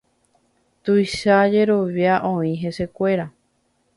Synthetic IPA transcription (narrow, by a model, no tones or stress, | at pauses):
t̪ujʃad͡ʒe̞ɾo̞ʋjaʔõĩɦe̞se̞kʷe̞ɾa